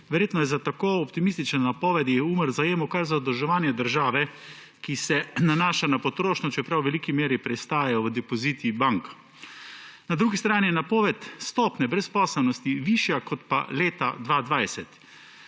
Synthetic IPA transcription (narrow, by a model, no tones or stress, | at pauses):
ʋɛɾjeːt̪nɔjɛzat̪akoːɔpt̪imist̪it͡ʃnanapɔːʋɛd̪jɛuməɾzajeːmɔkaɾzad̪əlʒɛʋaːnjɛd̪əɾʒaːʋɛ | kisɛnanaːʃanapɔt̪ɾoːʃnɔt͡ʃɛpɾawʋɛlikimeːɾipɾɛst̪aːjajɔʋəd̪ɛpɔziːt̪ibaŋk | nad̪ɾuːɡist̪ɾaːnijɛnapɔːʋɛt̪st̪ɔːpnɛbɾɛspɔːsɛlnɔst̪iʋiʃjakɔt̪pa̰leːt̪a̰d̪ʋaːd̪ʋajsɛt̪